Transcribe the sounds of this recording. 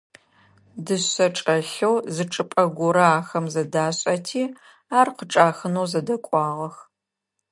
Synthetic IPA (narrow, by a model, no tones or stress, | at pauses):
dɨɐʈ͡ʂʼɐɬɐwzɨʈ͡ʂʼɨpʼɐɡʷʊɾɐaːxɐmzɐdaːɕʼɐtʰiː | aːrqəʈ͡ʂʼaːxɨnowzɐdɐkʷʼɑːʁɐx